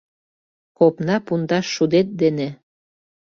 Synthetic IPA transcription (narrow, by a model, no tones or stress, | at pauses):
kopnɑpund̪ɑʃːud̪et̪̚d̪ene